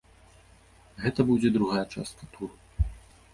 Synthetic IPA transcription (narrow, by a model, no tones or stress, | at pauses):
ɣɛt̪ɐbud͡zʲɛd̪ɾuɣajɐt͡ʂa̰st̪̚kɐt̪ʰuru